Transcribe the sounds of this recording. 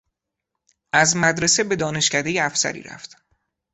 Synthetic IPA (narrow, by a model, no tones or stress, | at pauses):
ʔæzmæd̪ɾe̞se̞be̞d̪ɒːne̞ʃcʰæd̪e̞jeæfsæ̰ɾḭːɾæ̰ft̪